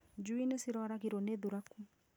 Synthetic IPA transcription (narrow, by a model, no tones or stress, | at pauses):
d͡ʒuinesiɾɔɾaɣiɾoneðuɾaku